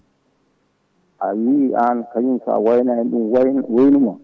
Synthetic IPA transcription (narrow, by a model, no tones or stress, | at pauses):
ʔawiiʔankajinsa̰wajnaɛnɗumwwajnuma